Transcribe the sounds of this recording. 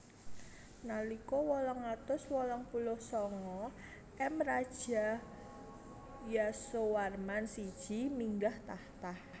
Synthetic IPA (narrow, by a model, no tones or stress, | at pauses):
nalikɔwɔlɔŋat̪ʊswɔlɔŋpulʊhsɔŋɔ | ʔɛmrad̥ʒ̥a̤ | jasowarmansid̥ʒ̥i̤miŋɡaht̪aht̪ah